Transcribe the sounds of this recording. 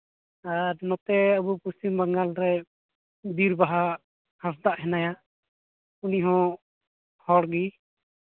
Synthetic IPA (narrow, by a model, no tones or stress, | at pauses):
aɾnɔt̪ɛəbupust̪imbaŋɡalɾɛ | d̪iɾbaɦa | hasd̪aʔɦɛnaja | uniɦɔ̃ | hɔɽɡi